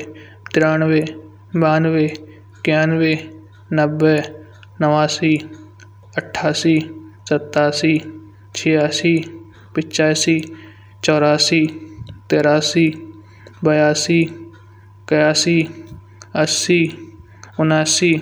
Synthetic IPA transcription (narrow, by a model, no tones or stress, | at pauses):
t̪ɪɾaːnʋeː | baːnʋeː | kjaːnweː | nəbːeː | nəʋaːsiː | əʈʰːaːsiːsət̪ːaːsiː | t͡ʃʰejaːsiː | pɪt͡ʃaːsiː | t͡ʃɔːɾaːsiːt̪eːɾaːsiː | bəjaːsiː | kəjaːsiː | əsiː | ʊnaːsiː